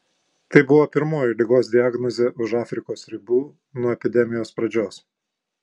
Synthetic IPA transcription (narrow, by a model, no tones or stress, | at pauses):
t̪ɐɪbʊʋoːpʲɪɾmoːjɪlʲɪɡoːs̬d̪ʲɪɑɡnɔzʲeːʔʊʃɑːfʲɾʲɪkoːsɾʲɪbuː | nuɔɛpʲɪd̪ʲɛmʲɪjoːspɾɐd͡ʒʲoːs